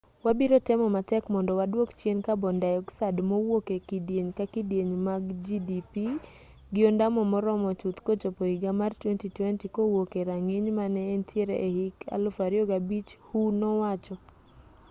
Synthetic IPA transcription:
wabiɾotɛmɔmatɛkmɔndɔwadwokt͡ʃenkabɔndajɔksadmowokekidjeɲkakidjeɲmaɡd͡ʒidipi | ɡɪɔndamɔmɔɾɔmɔt͡ʃut̪kot͡ʃopoiɡamartwɛntitwɛntikowokeɾaŋeɲmanɛːntʰjeɾeʔehikʰa̰lʊfaɾjɔɡabit͡ʃhunɔwat͡ʃɔ

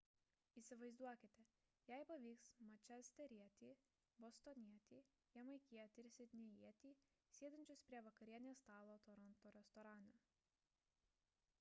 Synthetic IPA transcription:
iːsʲɪʋɐɪzd̪uɔkʲɪt̪ʲɛ | jæɪpɐʋʲiːksmɐt͡ʃʲɛsʲt̪ʲɛɾʲiɛt̪ʲiː | bost̪ɔnʲiɛt̪ʲiː | jɛmɐɪkʲiɛt̪ʲɪɪɾʲsʲɪt̪ʲnʲejiɛt̪ʲiː | sʲiɛd̪ʲɛnʲt͡ʃʲʊspʲɾʲiɛʋɐkɐɾʲiɛnʲeːst̪ɑːlˠoːt̪ɔɾɔnt̪oːɾʲɛst̪ɔɾɑːno

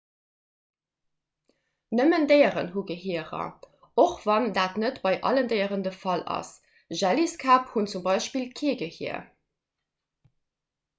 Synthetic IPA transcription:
nəməndɜɪəʁə̰nɦuɡəɦiəʁɐ̰ | oχvɑndaːtnətb̥ɑɪʔɑ̰ləndəɪəʁəndəfɑlɑ̰s | ʒæliskʰaːphunt͡sumbɑɪʃpiːlkʰiːɡəhiɐ̰

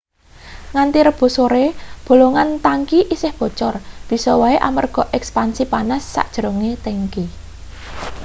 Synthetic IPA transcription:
ŋant̪iɾəb̥o̤soɾeb̥o̤loŋant̪aŋkiʔisɪhb̥ɔ̤t͡ʃɔrb̥i̤sɔwaeʔa̰mərɡ̥ɔ̤ʔɛkspansipanasːa̰ʔd̥ʒ̥əɾoŋet̪eŋki

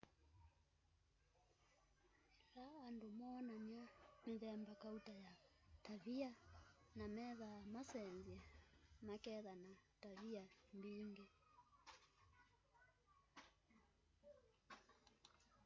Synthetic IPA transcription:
ɛlaːndomɔnaɲaneðɛmbakautajataβianamɛðamasɛnzɛmakɛðanataβiambiːŋɡe

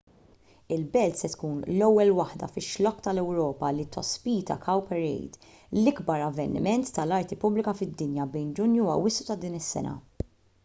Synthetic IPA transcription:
ɪlbɛlt̪sɛt̪kuːnlɔwːɛlwɐħd̪ɐ̰fɪʃːlɔkːt̪ɐlɛwɾɔːpɐlit̪ɔspiːt̪ɐ̰kʰɐwpɛɾɛ̰jd̪ | lɪɡbɐɾɐvːɛnɪ̰mɛnt̪ːɐlɐɾt̪ipʊblɪkɐfɪd̪ːɪnjɐbɛjnd͡ʒʊnjuɐ̰wːɪsʔu̥t̪ɐd̪iːnɪsːɛ̰nɐ̰

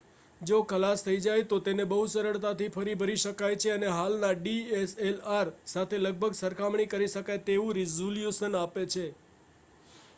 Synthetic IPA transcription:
d͡ʒokəlast̪ʰəid͡ʒajt̪ot̪enebəɦusəɾəɭt̪at̪ʰifʰəɾibʱəɾiʃəkajt͡ʃʰeəneɦalnaɖieselaɾsat̪ʰeləɡ̚bʱəɡsəɾkʰamɳikəɾiʃəkajt̪eʋũɾizoljuʃənapet͡ʃʰe

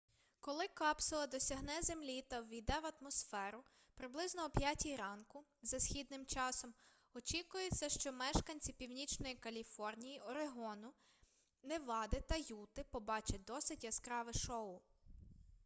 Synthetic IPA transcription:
kɔlˠɪkɑpsʊlˠɐd̪ɔsʲɐɦnɛzemlʲit̪ɐwʋʲijd̪ɛʋɐt̪mɔsfɛɾʊ | pɾɪblˠɪznɔɔpʲjatʲijɾɑnkʊzɐsʲxʲid̪nɪmt͡ʃɑsɔm | ɔt͡ʃikʊjɛt͡sʲːɐʃt͡ʃɔmɛʃkɐnʲt͡sʲipʲiwnʲit͡ʃnɔjikɐlʲifɔrnʲijiʔɔɾeɦɔnʊ | neʋɑd̪ɪt̪ɐjut̪ɪpɔbɑt͡ʃɐd̪ɔsɪtʲjɐskɾɑʋɪʃɔʊ

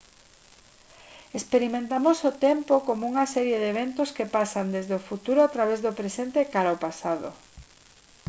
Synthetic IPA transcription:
espeɾimẽnt̪amosʊt̪ɛmpokomouŋasɛɾjeðeβ̞ent̪oskepasand̪ezðeofut̪uɾoat̪ɾaβ̞ezðopɾesent̪ekaɾaopasað̞o̰

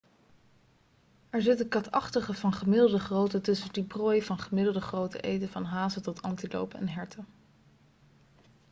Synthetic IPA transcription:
ɛɹzɪtəkɑtɑχtəχəvɑnχəmɪdl̩ˠdəχrowtətɵsədibroːjvɑnχəmɪdl̩ˠdəχrowtə̰ʔejtəvɑnɦaːzətɔtʰɑntilo̰wpɛ̰nɦɛɹtʰə

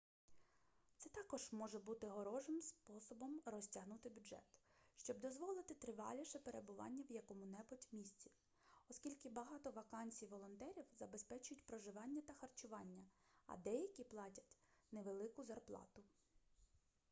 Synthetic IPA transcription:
t̪sɛt̪ɑkɔʒ̥mɔʒɛbut̪ɪɦɔɾɔʒɪmspɔsɔbɔmrɔsʲtʲɐɦnut̪ɪbʲʊdʒɛ̰t̪ʃt͡ʃɔbd̪ɔzʋɔlˠɪt̪ɪt̪ɾɪʋɑ̰lʲiʃɛpeɾʔebʊʋɑ̰nʲːɐwjɐkɔmʊnɛbʊtʲʋmʲisʲt͡sʲi̥ | ɔskʲilʲkɪbɐɦɑt̪ɔʋɐkɑnʲsʲijʋɔlˠɔnt̪ɛɾʲiwzɐbespɛt͡ʃʊjʊtʲpɾɔʒɪʋɑnʲːɐt̪ɐxɐrt͡ʃʊʋɑnʲːɐɐ̰d̪ɛjɐkʲiplˠɑtʲɐ̥tʲneʋelˠɪkʊzɐrplˠɑ̰t̪ʊ

